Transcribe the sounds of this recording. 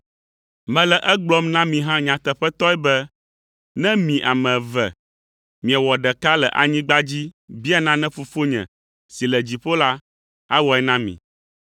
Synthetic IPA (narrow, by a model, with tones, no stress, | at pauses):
mɛ̃˨lɛ˨ʔɛ˦ɡ͡blɔ˦mnã˦mĩ˨ɦã˦ɲã˨t̪ɛ˨ɸɛ˦t̪ɔ˦ɛ˦bɛ˦ | nɛ̃˦mĩ˨ʔa˨mɛ̃˨vɛ˨ | mĩ˨ɛ˨wɔ˨ɖɛ˨ka˦lɛ˨ʔa̰˨ɲĩ˦ɡ͡ba˦d͡ʑi˦bi˦a˦nã˦nɛ̃˦fo˨fo˦ɲɛ̰̃˨ | si˨lɛ˨d͡ʑi˨ɸo˦la˦ | a˦wɔ˨ɛ˦nã˦mḭ̃˨